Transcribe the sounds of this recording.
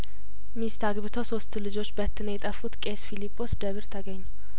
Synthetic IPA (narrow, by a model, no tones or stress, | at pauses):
mist̪aɡβɨt̪ʰoso̞st̪lɨd͡ʒo̞t͡ʃːbət̪ʰːɨnjɛt̪ʼəfːut̪kʼesfilipʰʼːo̞sd̪əβɨɾt̪ʰəɡəɲːu